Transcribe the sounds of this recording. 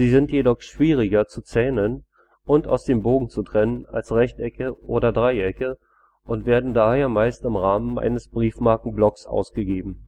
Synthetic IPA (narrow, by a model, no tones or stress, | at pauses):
ziːzɪntjedɔχʃv̥iːʁ̞ɪɡɐt͡sut͡sɛːnən | ʔʊnta̰ʊsd̥eːmboːɡŋ̩t͡sutʁ̥ɛnəna̰lsʁɛçtɛkəʔoːɾɐdʁaɪʔɛkə | ʔʊntv̥eːɐdn̩daːheːɐmaɪstɪmʁaːmənʔa̰ɪnəsb̥ʁiːfmaɐkŋ̩blɔksʔa̰ʊsɡ̥əɡeːbm̩